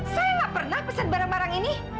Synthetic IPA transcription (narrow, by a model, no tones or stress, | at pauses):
sajaŋaʔpərnahpəsan̚baɾaŋbaɾaŋini